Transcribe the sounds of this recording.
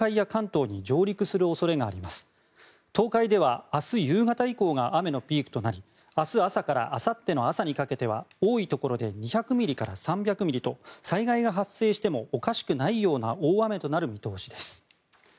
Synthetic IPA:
aijakãnt̪o̞ːɲ̟id͡ʑo̞ːɾʲikɯ̟sɨɾɯ̟o̞so̞ɾe̞ɡaːɾʲimasɨ̥ | t̪o̞ːkaid̪e̞β̞aasɨjɯːɡat̪aiko̞ːɡaʔame̞no̞pʲiːkɯ̟̥t̪o̞naɾʲi | asɨasakaɾa̰ʔasat̪ːe̞no̞asaɲ̟ikake̞t̪e̞β̞a̰oːit̪o̞ko̞ɾo̞d̪e̞ɲ̟içakɯ̟mʲiɾʲikaɾa̰sãmbʲakɯ̟mʲiɾʲit̪o̞saiɡaiɡaɦasːe̞ːɕi̥t̪e̞mo̞ːkaɕi̥kɯ̟naijo̞ːna̰oːame̞t̪o̞naɾɯ̟mʲit̪o̞ːɕid̪e̞sɨ̥

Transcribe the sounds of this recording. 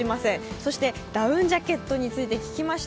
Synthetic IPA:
imasẽ̞so̞ɕi̥t̪e̞ | d̪̥aɯ̟̃ɲd͡ʑake̞t̪ːo̞ɲ̟it͡sɨit̪e̞kʲi̥kʲimaɕi̥

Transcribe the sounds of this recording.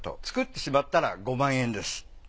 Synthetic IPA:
t̪o̞̰t͡sɨ̥kɯ̟t̪ːe̞ɕimat̪ːaɾa̰ɡo̞mãɰ̃ẽ̞nd̪e̞sɨ̥

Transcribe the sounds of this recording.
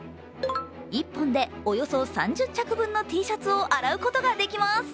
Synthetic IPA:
ipːõ̞nd̪e̞o̞jo̞so̞sãɲ̟d͡ʑɨt͡ɕt͡ɕakɯ̟bɯ̟̃nːo̞t̪ʲiːɕat͡sɨo̞ʔaɾaɯ̟ko̞t̪o̞ɡad̪e̞kʲimasɨ̥

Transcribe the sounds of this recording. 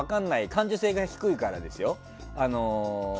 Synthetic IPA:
akãnːaikãɲ̟d͡ʑose̞ːɡaçi̥kɯ̟ikaɾad̪e̞sɨjo̞ | ano̞

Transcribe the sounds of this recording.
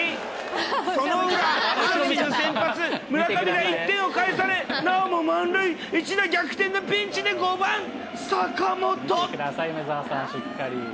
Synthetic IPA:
sonoɯɾaomʲinosẽ̞mpat͡sɨmɯ̟ɾakabʲiɡait̪ːẽ̞ɰ̃okaesaɾe̞naomomãnɾɯiit͡ɕid̪aɡʲakɯ̟̥t̪ẽ̞nːobʲĩɲt͡ɕid̪e̞ɡo̞bãŋ | sakamo̞t̪oɯd̪asaimezasãɕikːaɾʲḭ

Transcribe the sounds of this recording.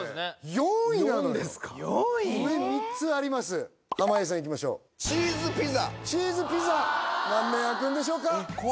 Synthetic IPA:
joĩnaod̪eskḁjomemʲit͡sɨaɾʲimasɨ | hamais̬ãik̬ʲimaɕo̞̰ː | t͡ɕiːzɨpʲizat͡ɕiːzɨpʲizanãnːẽjakɯ̃nd̪e̞ɕ̬o̞ːka

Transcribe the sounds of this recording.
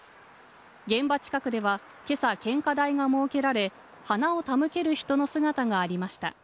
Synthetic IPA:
ɡẽ̞mbat͡ɕi̥kakɯ̟d̪e̞βa | ke̞sakẽ̞ŋkad̪aiɡamo̞ːke̞ɾaɾe̞ | hanao̞t̪amɯ̟ke̞ɾɯ̟çi̥t̪o̞no̞sɨɡat̪aŋaːɾʲimaɕi̥t̪a̰

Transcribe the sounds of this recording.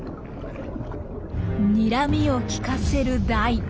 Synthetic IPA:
ɲʲiɾamʲio̞kʲi̥kase̞ɾɯ̟d̪ai

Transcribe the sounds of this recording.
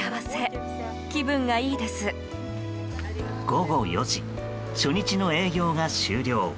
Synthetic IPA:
aβase̞ | kʲibɯ̟̃ŋɡaiːd̪e̞sɨ | ɡ̥o̞ɡo̞jo̞ʑi | ɕo̞ɲ̟it͡ɕino̞e̞ːɡʲo̞ːŋaɕɨːɾʲo̞ː

